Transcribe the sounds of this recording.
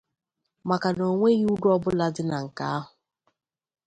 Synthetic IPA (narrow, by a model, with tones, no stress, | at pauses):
ma˨ka˨no˨ŋʷe˦ɣi˦u˦dʊ˦ɔ˦bʊ˦la˦dɪ˦na˨ŋ̩˨ka̰˦a˦ɦʊ˨